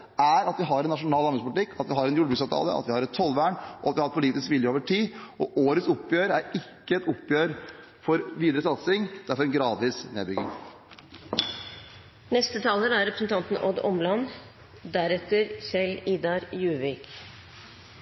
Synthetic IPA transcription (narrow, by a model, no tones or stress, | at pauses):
æɾɑt̪ʋɪɦɑɾɛnːɑʂʊnɑːlɑnbɪŋspʊlɪt̪ɪkːʰɑt̪ʋɪɦɑɾɛnjʊɖəbɾʉksɑːʋt̪ʰɑ̰ːlə̰ʔɑ̰t̪ʋɪhɑɾɛt̪t̪ʰːɔlʋæːɳʔɔɑt̪ʋɪhɑɾpʰʊliːt̪ɪskʋɪljəoːʋəʈʰiːʔɔʔoːɾət̪sʊpːjøːɾæɾɪkːəɛt̪ʊpːjøːɾ | fɔɾʋiːd̪əɾəsɑt̪sɪŋd̪̥æɾfɔɾɛnɡɾɑːd̪ʋiːsneːd̪bɾʏɡɪ̰ŋ | nɛst̪ət̪ʰɑːlənæɾɛpɾəsn̩t̪ʰɑnt̪n̩ʔɔd̪ɔ̰mlɑn | d̪æɾɛt̪əɾçɛliːd̪ɑɾjʉːʋɪk